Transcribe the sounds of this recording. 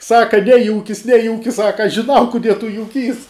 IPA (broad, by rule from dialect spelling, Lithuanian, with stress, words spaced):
ˈsɑːkɐ ˈnʲæːjuːkʲɪs ˈnʲæːjuːkʲɪs ˈsɑːkɐ ʒʲɪˈnɐʊ kʊˈdʲiɛ tʊ jʊˈkʲiːs